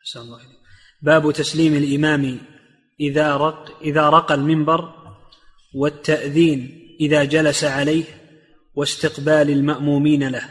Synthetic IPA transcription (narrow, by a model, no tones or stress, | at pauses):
ʔaħsanɑlˤːɑːaleːk̚ | baːbt̪asliːmalʔɪmaːm | ɪðaʔɪðaːɾˤɑqalmɪmbɑɾˤ | wɪt̪ʰːaʔðiːnʔɪðaːd͡ʒalasaʕalajh | wɪst̪ɪqbaːlalmaʔmuːmiːnalah